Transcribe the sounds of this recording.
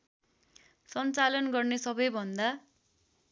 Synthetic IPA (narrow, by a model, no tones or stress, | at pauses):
sʌnt͡salʌnɡʌrnesʌbʌjbʱʌnd̪a